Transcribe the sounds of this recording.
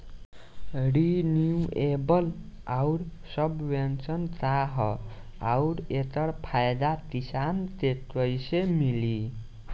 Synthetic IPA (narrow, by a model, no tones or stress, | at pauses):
ɾiniuebəlauɾsʌbʋensənt̪ɾaɦʌ | a̰uɾet̪əɽpʰajd̪at̪isant̪et̪əjsemili